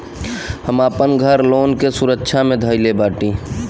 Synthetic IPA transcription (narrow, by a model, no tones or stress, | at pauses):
həmaːpənɡʱəɾloːnkesʊɾəkːʃʰamẽd̪ʱəjlebaːʈi